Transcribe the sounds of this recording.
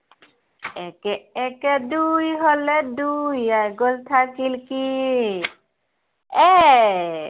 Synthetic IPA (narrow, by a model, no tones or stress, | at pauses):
ɛkɛɛkɛdujɦɔledujajɡolt̪ʰakilki | ɛ